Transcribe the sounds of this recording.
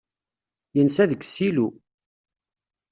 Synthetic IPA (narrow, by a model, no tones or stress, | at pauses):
jənsæðəkːsilu